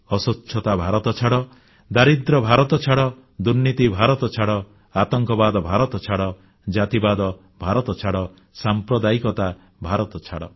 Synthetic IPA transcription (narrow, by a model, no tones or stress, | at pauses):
ɔsutːʃʰɔt̪abʱaɾɔt̪ɔt͡ʃʰaɽɔ | d̪aɾid̪ɾɔbʱaɾɔt̪ɔt͡ʃʰaɽɔ | d̪uɾnit̪ibʱaɾɔt̪ɔt͡ʃʰaɽɔ | at̪ɔŋkɔbad̪ɔbʱaɾɔt̪ɔt͡ʃʰaɽɔ | d͡ʒat̪ibad̪ɔ | bʱaɾɔt̪ɔt͡ʃʰaɽɔ | sampɾɔd̪aikɔt̪a | bʱaɾɔt̪ɔt͡ʃʰaɽɔ̰